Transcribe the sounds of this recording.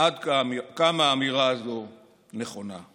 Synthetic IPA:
ad̪kamkamaːmiʁaːzo̞ | neχo̞na̰

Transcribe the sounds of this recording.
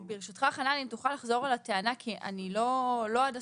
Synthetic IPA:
beʁeʃut̪χaχananimt̪uχalaχzo̞ʁalateanakʰiʔa̰nilo̞lo̞ada

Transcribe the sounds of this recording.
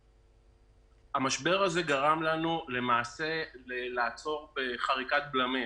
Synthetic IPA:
amaʃbe̞ʁaze̞ɡaʁamlanule̞maːse̞lelaːt͡so̞ʁbeχaʁikat̪̚blame

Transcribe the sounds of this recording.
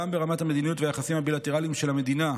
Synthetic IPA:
ambe̞ʁamathame̞d̪inijutvejaχasimabilat̪e̞ʁalimʃe̞lame̞d̪ina

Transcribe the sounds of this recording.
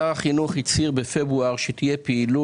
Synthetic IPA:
aaχinuχhit͡siʁbefebʁuaʁʃet̪ijepeːlu

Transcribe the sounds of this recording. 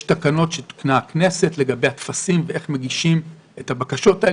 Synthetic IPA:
takano̞tʃet̪i̥knakne̞se̞tle̞ɡabe̞jat̪fasimveʔeχme̞ɡiʃim | etabakaʃo̞tae

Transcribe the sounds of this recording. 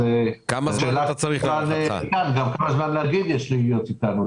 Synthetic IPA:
ekamaʃelat̪aaʁiχan̰kanɡamkolazmanleaɡid̪jɛʃlijot̪it̪anu

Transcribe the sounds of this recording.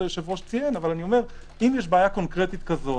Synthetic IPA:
ʃevuoʃt͡sienavalanio̞me̞ʁ | imjɛʃbeːjako̞nkʁet̪it̪kazo

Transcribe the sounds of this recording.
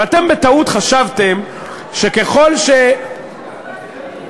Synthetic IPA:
at̪e̞mbet̪aut̪χaʃavt̪em | ʃe̞ke̞χo̞lʃe

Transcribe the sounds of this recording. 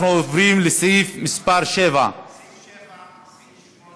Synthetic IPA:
nuovɾimlɪsefmɪspaɾʃeːva̰

